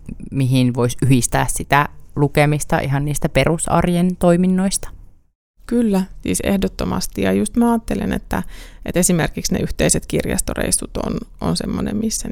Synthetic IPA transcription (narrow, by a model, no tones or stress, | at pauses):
miɦinʋoisyhist̪æːssit̪ælukemist̪ɑ̰ʔiɦɑnniːst̪æperusɑ̰rjent̪oiminːoist̪ɑ̥ | kylːæsḭːsḛhdot̪ːomɑ̰st̪ijɑjust̪mæɑːt̪ːelenet̪ːæet̪esimerkiksnḛʔyht̪eiset̪kirjɑ̰st̪orḛisut̪o̰nʔo̰nsemːonemmisːæ